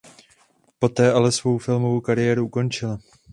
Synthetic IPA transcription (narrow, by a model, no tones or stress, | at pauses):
po̞t̪ɛːʔalɛsvo̞wfɪlmo̞vowkaɾɪjɛːɾuʔuko̞nt͡ʃɪla